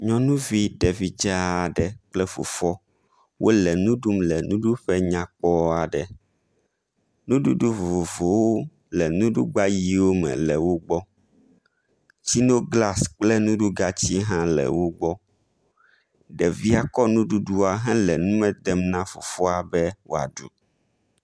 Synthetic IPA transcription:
ɲɔ̃˦nũ˦vi˦ɖɛ˨vi˦d͡ʒa˦a˨ɖɛ˨k͡plɛ˦fo̰˨fɔ˦ | wʔo˦lɛ˨nũ˦ɖu˦mlɛ˨nũ˦ɖu˦ɸɛ˦ɲã˨k͡pɔ˦a˨ɖɛ˨ | nũ˦ɖu˦ɖu˦vo˨vo˨wo˦ | lɛ˨nũ˦ɖu˦ɡ͡ba˦ji˦wo˦mɛ̰̃˨lɛ˨wo˦ɡ͡bɔ˦ | t͡ɕi˦no˦ɡla˦sk͡plɛ˦nũ˦ɖu˦ɡa˦t͡ɕi˦ɦã˦lɛ̰˨wo˦ɡ͡bɔ˦ | ɖɛ˨vi˦a˦kɔ˦nũ˦ɖu˦ɖu˦a˨ɦɛ̃˦lɛ˨nũ˦mɛ̃˦d̪ɛ˨mnã˦fo̰˨fɔ˦a˨bɛ˦wo˦a̰˨ɖṵ˨˦

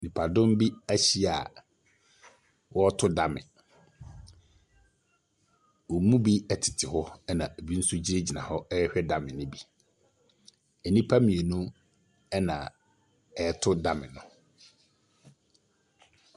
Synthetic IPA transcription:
nĩ˨pʰa˨dʊ̃˦m˦bi˦æ˦ɕi˦a˨ | wɔ˦ɔ˦tʰʊ˦da˨mɪ̰̃˨ | wo˨mũ˦bi˦ɛ˨tʰɪ̥˨tʰɪ˨hɔ˦ɛ˦nã˨e˨bi˦n̩˦sʊ˦d͡ʑi˦ɾe˦d͡ʑi˨nã̰˨hɔ˦ɛ˦ɛ˦hᶣɛ˦da˨mɪ̃˨nʊ̃˦bi˦ | ɛ˨nĩ˦pʰa˦mĩ˨e˨nũ˦ | ɛ˦nã̰˨ | ɛ˨˦tʰʊ˦da˦mɪ̰̃˨nʊ̃˨

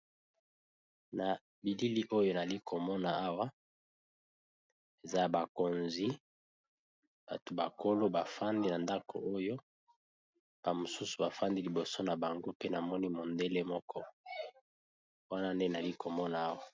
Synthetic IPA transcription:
na˨ | bi˨li˦li˦ʔo˦jo˦na˨li˦kʰo˨mɔ˦na˨a˦wa˦ | e˨za˦˨ba˨ko˨nzi˦ | b̥a˨to˨ba˨ko˦lo˦ba˨fa˦ndi˦na˨nda˦kʰo̰˨ʔo˦jo˦ | b̥a˨mo˨su˦su̥˨ba˨fa˦ndi˦li˨bo˨so˦na˨ba˨ŋɡo˦pe˦na˨mɔ˦ni˦mo˨nde˦le˦mɔ˦kʰɔ˦ | wa˦na˦nde˦na˨li˦ko˨mɔ˦naː˨˦wa˨

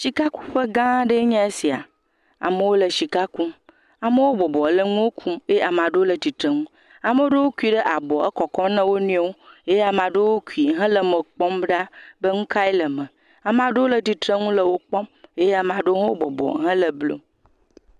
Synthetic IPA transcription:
ʃi˨ka˦ku̥˦ɸə˦ɡã˦ɖə˦ɲã˦e˦si˨a̰˨ | a̰˨mə˨˦wo˦lə˨ʃi˨ka˦ku˦m | a˨mə˦wo˦bɔ˨bɔ˨lə˦ŋũ˦wo˦kʰu˦me˦a˨mã˨ɖə˦wo˦lə˨t̪i˨t̪ɾə˨ŋũ˦ | a˨mə˦wo˦ɖə˦wo˦ku˦i˨˦ɖə˦ʔa˨bɔ˨ə˦kɔ˨kɔ˦nə̃˦wo˦nũ˦e˦wo˦je˦je˦a˨mã˨ɖo˦wo˦ku˨i˨ɦɛ̃˦lə˨mə˨k͡pɔ˦mɖa˦bə˦ŋũ˦ka˦i˦lə˨mə̃˨ | a˨mã˨ɖe˦wo˦lə˨t̪i˨t̪ɾə˦ŋũ˦lə˨wo˦k͡pɔ˦me˦je˦a˨mã˨ɖo˦ɦwo˦bɔ̰˨bɔ̰˨ɦɛ̃˦lə˨blo̰˦

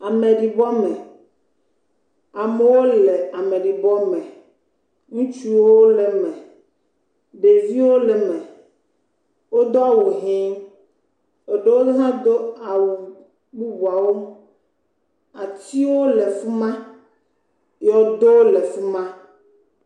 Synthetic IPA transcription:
a˨me˨ɖi˨bɔ˦mɛ̃˨ | a˨me˨wo˦le˨a˨mẽ˨ɖi˨bɔ˦mɛ̃˨ | ŋũ˦t͡ʃu˦wo˦le˨mɛ̃˨ | ɖe˨vi˦wo˦le˨mɛ̃˨ | wo˦d̪o˦a˦wo˨ɦĩ˦ŋ | e˨ɖe˦wo˦ɦã˦d̪o˦a˨wu˨ | ɡ͡bu˦bu˨a˨wo˦ | a˨t̪i˦wo˦le˨fu˦mã˦ | jɔ˨d̪o˦le˨fu˦mã˦

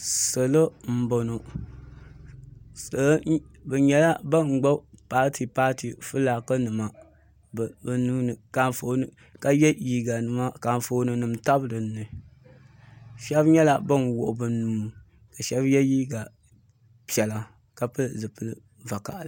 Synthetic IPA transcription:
so˨lo˦m̩˦bo˨no˨ | sɨ˨˦bɛ˨ɲɛ˨˦la˦ba˦ŋ͡mɡ͡bo˦paː˦tʰi˨paː˦ti˨fɨ˦laː˨kɨ˦nɨ˨ma˨ | bbɨ˨nuː˦nɨ˨ka˨fo˨nɨ˨ | ka˦jɛ˦jiː˦ɡa˨nɨ˨ma˦ka˨ɱ˨fo˨nɨ˨nɨ˨mta˦blɨ˨nː˦ɨ˨ | ʃɛ˦bɲɛ˦la˨ba˦nwʊ˨ʔʊ˨bɨ˨nuː˨˦ | ka˨ʃɛ˦bjɛ˦jiː˦ɡa˨ | pi˨ɛ˨la˨ | ka˦pɨ˦zɨ˨pɨ˦lɨ˦ | va˨ka̰˨ʔl

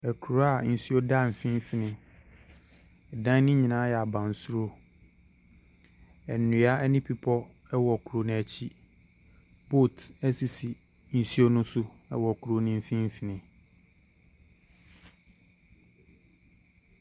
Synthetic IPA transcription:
ɛ˨kʰu˨ɾo˦a˨n̩˨si˦o˦da˦m̩˨fĩ˦m˦fi˨nɪ̃˨ | dã˦nɪ̃˦ɲĩ˨nãː˨˦jɛ˨a˨bã˨n̩˨su˦ɾo˦ | ɛ˨nːũ˨˦a˦ɛ˦nɪ̃˦pʰi˦pʰɔ˦ | ɛ˦wɔ˨kʰu˨ɾo˨ñ˨æ˨t͡ɕʰi˦ | bo˦˨tæ˦si˨si˨ | n̩˨si˦o˦nʊ̃˦sʊ˦ɛ̰˦wɔ˨kʰu˨ɾo˨nɪ̃˦m̩˨fĩ˦m̩˦fi˨nɪ̃˨

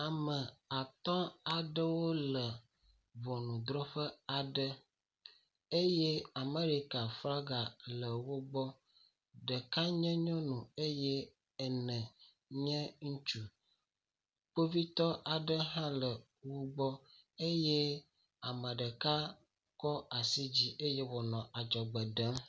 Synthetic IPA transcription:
a˨mə̃˨a˨t̪ɔ̃˦a˨ɖə˦wo˦lə˨ | vɔ˨nũ˨d̪ɾɔ˦ɸə˦a˨ɖə˦ | e˦jɛ˦a˨me˦ɾi˨ka˨fɾa˦ɡa˨lə˨wo˦ɡ͡bɔ˦ | ɖə˨ka˦ɲɛ̃˦ɲɔ̃˦nũ˨e˦jɛ˦ | ɛ˨nɛ̃˨ | ɲɛ̃˦ŋũ˦t͡ʃu˦ | k͡po˦vi˦t̪ɔ˦ʔa˨ɖə˦ɦã˦lə˨ | wo˦ɡ͡bɔ˦ | e˦jɛe˦ | a˨mə̃˨ɖə˨ka˦ | kɔ˦a˨si˦d͡ʑi˦ʔe˦je˦vɔ˨nɔ̃˨ʔa˨d͡ʒɔ˨ɡ͡bə˨ɖə˦m

